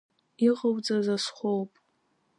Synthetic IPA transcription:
iqʼəwd͡zazasχʷowpʼ

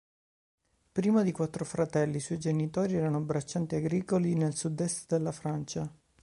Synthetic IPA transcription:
pɾiːmad̪ikwat̪ːɾofɾat̪ɛlːiːswɔjd͡ʒenit̪oːɾiɛːɾanoabɾat͡ʃːant̪iaɡɾiːkolinelsud̪ɛst̪d̪elːafɾant͡ʃa

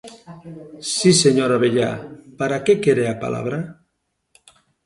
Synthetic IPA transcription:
siseɲoɾaβeʎa̰paɾakekeɾeapa̰lʔa̰β̞ɾa

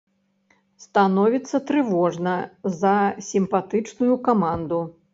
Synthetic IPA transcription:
st̪anɔvʲit̪sːɐt̪ɾɨvɔʐnɐzɐsʲimpat̪ɨt͡ʂnujukamand̪u

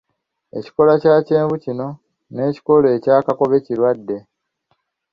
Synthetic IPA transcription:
e̞̰ci̥ko̞lacaːce̞ːɱvucino̞ | ne̞ːci̥ko̞le̞ːcaːkako̞βe̞ciɾwadːe̞

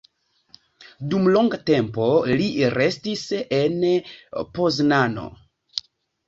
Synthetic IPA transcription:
dumloŋɡate̞mpo̞liɾe̞stisen | po̞znano̞̰

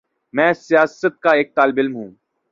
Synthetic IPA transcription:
mɛ̃ːsɪjaːsət̪̚kaeːk̚t̪aːlɪbɪlmɦũː

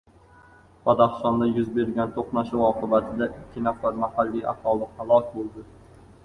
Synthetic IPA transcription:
pad̪aχsɒnd̪ajʊzbe̞ɾɡʲant̪ʰoqnaʃɪwɒqʰɨbat̪ʰɪd̪aʔɪkʲʰːɪnafaɾmahalːija̰t̪ɒlˠɨqːalˠɒk̚ʲbolˠd̪ɪ

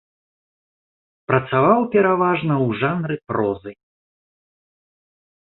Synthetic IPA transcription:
pɾɐt̪savawpʲɛɾavaʐnɐwʐanɾɨpɾɔzɨj

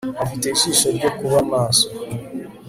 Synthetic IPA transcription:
afite̞iʃiːʃo̞ɾɟo̞kuβamaːso

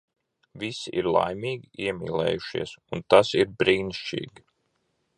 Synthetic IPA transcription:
ʋisiʔiɾlˠa̰jmʲiːɡʲiʔiɛmʲḭːlˠɛ̰ːjuʃḭɛsunt̪asiɾbɾiːnʃt͡ʃḭːɡʲi

